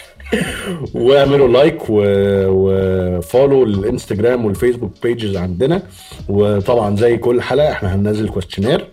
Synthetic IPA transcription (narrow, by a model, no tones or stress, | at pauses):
wʕmelolːɑjkwewefoːlollʔɪnst̪æɡɾæːmwelfeːsbuk̚peːd͡ʒezʕand̪enæ | wet̪ˤɑbʕɑnzæjːkolːħaːlʔæʔeħnæɦænːæzːelkwæst̪jonæːɾ